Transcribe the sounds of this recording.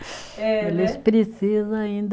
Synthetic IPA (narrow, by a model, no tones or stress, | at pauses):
ɛelɪspɾesizɐ̃aĩnd̪